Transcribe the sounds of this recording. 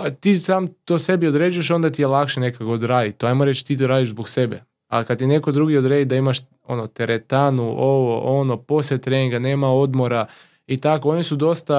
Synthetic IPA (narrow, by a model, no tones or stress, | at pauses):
at̪iːsaːmt̪oːse̞bio̞d̪ɾeːd͡ʒujeʃo̞nd̪at̪ijelˠakʃene̞kakood̪ɾaːd̪it̪ːoajmoɾe̞t͡ʃt̪iːt̪oɾaːd̪iʒzbokse̞bḛ | a̰lkad̪̚t̪ine̞kod̪ɾuɡio̞d̪ɾeːd̪id̪aimaʃ | o̞̰not̪eɾet̪anuʔoʋo̞ʔo̞nopo̞set̪ɾeniŋɡane̞ːmao̞d̪mo̞ɾa | it̪akoo̞nisud̪o̞st̪a